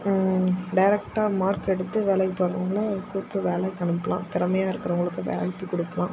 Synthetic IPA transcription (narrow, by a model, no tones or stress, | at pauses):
ɖɐɪɾɛk̚ʈaːmaːɾkɛɽɯt̪ːɯʋeːlɐɪpːoɾɐʋɐŋɡɐɭɯkuːpːɯʋeːlɛkɐɳɯpːɐlʔã̰ːt̪ɪɾɐmɐjaːɪɾɯkːɪɾɐʊŋɡɐɭɯkːɯʋḛːpːikɔɽɯpːɐlãː